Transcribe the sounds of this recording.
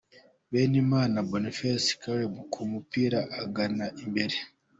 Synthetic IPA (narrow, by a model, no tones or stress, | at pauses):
βenimaːnabonifesi̥kawebukʰumupiɾaʔːɡanaʔimbeɾe